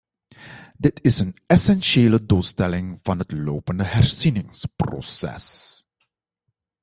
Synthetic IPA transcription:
dɪtʰɪsənɛsɛnʃeːləduːlˠstɛlɪŋv̥ɑnɦətlowpəndəɦɛɹz̥inɪŋspro̰sɛ̰s

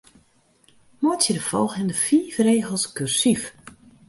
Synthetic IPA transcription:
motsjədəfɔ̰lˠxɪndəfiːfreːɣəl̩ˠskyrsif

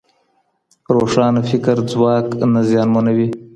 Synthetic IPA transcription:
pɾoʂɑːnafɪkəɾd͡zwɑːknazjɑːnmanawi

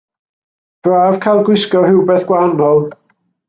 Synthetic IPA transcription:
b̥raːv̥kʰajlˠɡwɪskɔhɪwbɛθɡ̥wanɔlˠ

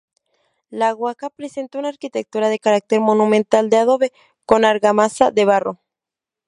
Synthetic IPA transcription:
laɣwakapɾese̞nt̪ounaːɾkit̪e̞k̚t̪uɾaðe̞kaɾak̚t̪eɾmo̞nũmẽnt̪ald̪eaðo̞βe̞ | ko̞naɾɣamasaðe̞βaro

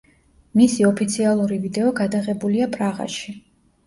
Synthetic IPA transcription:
misiɔpʰit̪sʰialˠuɾivid̪ɛɔɡad̪aʁɛbuliapʼɾaʁa̰ʃi

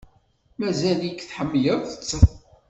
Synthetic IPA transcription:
mæzæljikːθħəmːjəðθə̥t͡sːə

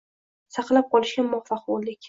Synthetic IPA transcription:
sɑqlˠap̚qɒlɪʃɡʲamɒχfɑqbollɪkʲ

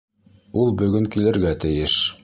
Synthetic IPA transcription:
ulˠbɵ̆ɡɵŋkilɘ̆ɾɡæt̪ɘ̆jɘʃ

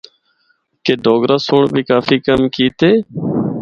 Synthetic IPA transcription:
keːɖʱoːɡɾaːsʊːɳbʱiːkaːfiːkəmkiːt̪eː

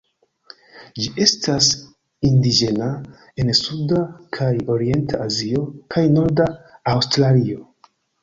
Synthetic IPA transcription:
d͡ʒiʔe̞stas | indid͡ʒe̞na | e̞nsudakʰajo̞ɾie̞ntʰaazio̞kʰajno̞ɾdaːwstɾalio̞

